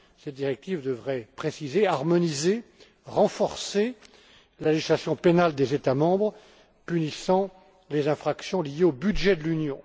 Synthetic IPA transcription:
sɛd̪iʁɛk̚t̪ivd̪əvʁɛpχesizeaʁmɔnize | ʁɑ̃fɔʁse | laleʒislasjɔ̃penald̪ezet̪amɑ̃bʁ | pynisɑ̃ | lezɛ̃fχaksjɔ̃lijeobyd̪ʒɛd̪əlynjɔ̃

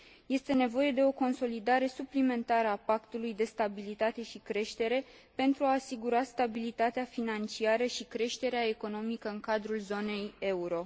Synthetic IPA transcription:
je̞st̪e̞ne̞vo̞je̞d̪e̞o̞ko̞nso̞lid̪aɾe̞suplime̞nt̪aɾəapakt̪ulujd̪e̞st̪abilit̪at̪e̞ʃikɾe̞ʃt̪e̞ɾe̞ | pe̞nt̪ɾuaːsiɡuɾast̪abilit̪at̪eafinant͡ʃiaɾəʃikɾe̞ʃt̪e̞ɾeae̞ko̞no̞mikəɨŋkad̪ɾulzo̞ne̞je̞uɾo̞

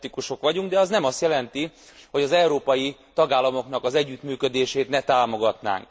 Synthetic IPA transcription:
t̪ikuʃo̞kʋɒɟuŋɡd̪ɛɒznɛmɒst̪jɛlɛnt̪iho̞ɟɒzɛwɾoːpɒjit̪ɒɡaːlːɒmo̞knɒkɒzɛɟːyt̪myːkød̪eːʃeːt̪nɛt̪aːmo̞ɡɒt̪na̰ːŋk

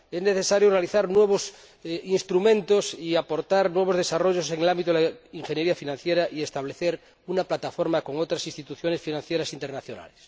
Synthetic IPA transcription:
ezne̞θesaɾjorealiθaɾnwe̞β̞os | inst̪ɾumẽnt̪osiapo̞ɾt̪aɾnwe̞βozðe̞saro̞ʝoseŋelãmbit̪oeaiŋxe̞njeɾiafinãn̟θjeɾaʔie̞st̪aβ̞leθeɾ | unaplat̪afo̞ɾmako̞ŋot̪ɾasinst̪it̪uθjo̞ne̞sfinãn̟θjeɾasint̪eɾnaθjona̰les

